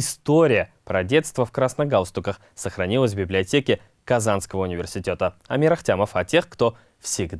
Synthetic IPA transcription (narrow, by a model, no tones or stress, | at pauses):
ɪst̪o̞ɾʲɪjəpɾɐdʲe̞t̪st̪vəfkɾasnɐɡalˠst̪ukəχ | səχɾɐnʲilˠəs̬ʲbʲɪblʲɪɐtʲe̞kʲɪ | kɐzanskəvəʊnʲɪvʲɪrsʲɪtʲe̞t̪əɐmʲɪɾɐχtʲaməfɐtʲʰe̞χkt̪o̞ | fsʲɪɡd̪